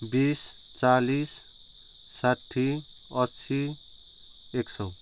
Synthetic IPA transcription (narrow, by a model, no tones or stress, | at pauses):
bis | t͡salisː | aʈʰːi | ʌsi | eksʌw